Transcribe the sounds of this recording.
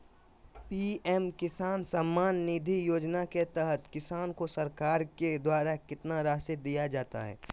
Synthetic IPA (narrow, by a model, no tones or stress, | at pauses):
piːɛmkɪsaːnsamːaːnːid̪ʱijoːd͡ʒnaket̪ɛɦət̪kɪsaːnkosɐɾkaːɾked̪waːɾakɪt̪naɾaːsɪd̪ijad͡ʒaːt̪a̰ɦɛ̰ː